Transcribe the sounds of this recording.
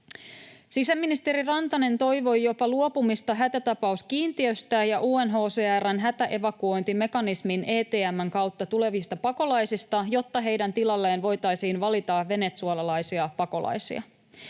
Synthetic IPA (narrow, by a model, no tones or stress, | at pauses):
sisæmːinist̪e̞ɾirɑnt̪ɑne̞nt̪o̞jʋo̞jjo̞pɑluo̞pumist̪ɑɦæt̪æt̪ɑpɑuskiːnt̪iø̞st̪æjɑʔuːenɦo̞ːseːærːænɦæt̪æʔe̞ʋɑkuo̞jnt̪ime̞kɑnisminʔe̞ːt̪eːæmːæŋkɑwt̪ːɑt̪ule̞ʋist̪ɑpɑko̞lɑjsist̪ɑjo̞t̪ːɑɦe̞jdænt̪ilɑlːe̞ːnʋo̞jt̪ɑjsiːnʋɑlit̪ɑːe̞ne̞t̪suɑlɑlɑjsiɑpɑko̞lɑ̰jsḭɑ̰